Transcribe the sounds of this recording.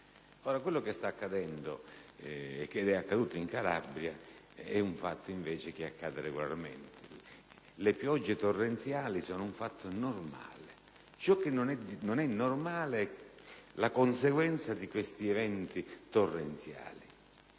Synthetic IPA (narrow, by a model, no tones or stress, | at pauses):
oːɾakwelːokest̪aːkːad̪ɛnd̪o | ɛkːed̪ɛakːad̪uːt̪oiŋkala̰bɾja | ɛuɱfat̪ʰːoiɱveːt͡ʃek̟eakːaːd̪ereɡola̰rment̪ʰe | lepjɔd͡ʒːet̪orːent̪sjaːlisɔːnʊuɱfat̪ʰːonorma̰ːle | t͡ʃɔk̟ːenːonɛd̪inonɛnːormaːleɛlakonseɡwɛnt̪sad̪ikwest̪iɛvɛnt̪it̪orːent̪sja̰ːli